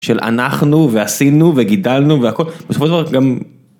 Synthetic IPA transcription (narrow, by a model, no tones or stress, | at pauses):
ʃelʔa̰naχnuveasinuveɡidalnuveako̞lbesofoʃldavaɡam